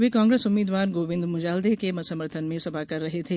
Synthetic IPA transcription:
ʋekãːŋɡɾesʊmːiːd̪ʋaːɾɡoːʋɪ̃nd̪mʊd͡ʒaːld̪ekemɐsɐməɾt̪ʰənmẽsɐbʱakɐɾːɐɦet̪ʰeː

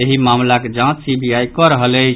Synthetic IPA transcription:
eɦimamlaked͡ʒãt͡ʃsibiaikɔɾəɦəlɛ

